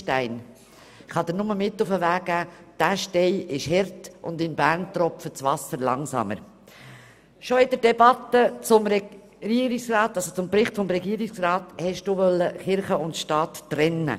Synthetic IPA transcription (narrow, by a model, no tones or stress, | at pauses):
tæɪn | χɑd̪ənʊməmɪt̪ːʊfəʋæːɡ̥æːd̥æʃtɛɪɪʃɦɛɾtʔʊ̰nd̪ɪnbæːɾnt̪rɔpfət͡sʋɑsəɾlɑŋsɑ̰mə̰ɾ | ʃɔɪd̥̪əɾdɛbɑt̪ːət͡sʊmɾɛ | iɾiksrɑːt̪ːɑlsot͡sʊmpɾɪχt̪fɔmɾɛɡiːɾiksrɑːt̪hɛʃd̥uʋœlːəχɪɾχəʊntʃtɑːtːɾɛnːə̰